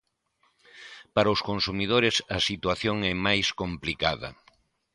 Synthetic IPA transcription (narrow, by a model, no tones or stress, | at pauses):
paɾɐʊskonsumið̞oɾɪsɐsit̪waθjoŋɛmajskomplikaðɐ̰